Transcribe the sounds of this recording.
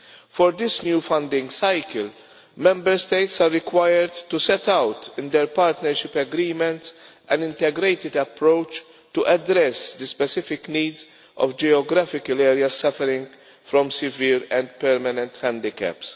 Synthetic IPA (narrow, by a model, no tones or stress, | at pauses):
fɔɾd̪ɪsnjuːfɐ̃nd̪ɪ̃ŋɡsajkəl | mɛ̃mbɛɾst̪eɪt̪saɾːɪkwajəɾd̪t̪ːusɛt̪awt̪ɪ̃nd̪ɛɾpaːɾt̪nɛɾʃɪpːɛɡɾiːmɛ̃nt̪s | ʔɛ̃nɪ̃nt̪ɛɡɾeɪt̪ɪd̪ɐpɾoʊt͡ʃ | t̪uʔɐd̪ɾɛsd̪əspɛsɪfɪkniːdz | ʔɔ̰vd͡ʒiɔɡɾafɪkəlɛːɾjɐzsɐfɛɾɪ̃ŋɡ | fɾɔ̃msɪvɪːɾɛ̃nd̪pɛɾmɐnɛ̃nt̪hæ̃nd̪ɪkɛ̰ps